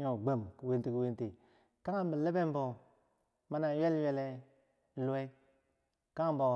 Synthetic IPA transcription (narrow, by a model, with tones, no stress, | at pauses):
ɲo˨ɡ͡be˨mku˨we˦nti˨ku˨wi˦nti˨ | ka˦a˦m˦bə˨le˦be˦m˦bo˨ | ma˦na˨je˦lje˦le˦˨ | lu˨we˦ | ka˦ŋ˨˦bo˨